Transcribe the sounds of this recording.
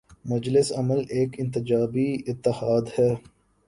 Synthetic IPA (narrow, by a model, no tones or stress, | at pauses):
mʊd͡ʒlɪsɐməleːkɪ̃nt̪ɪd͡ʒaːbiɪt̪ːɪhaːd̪hɛː